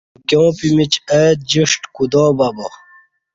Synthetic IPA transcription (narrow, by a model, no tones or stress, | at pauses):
kjõːpimit͡ɕəd͡ʑiʂʈkud̪oːbɐbo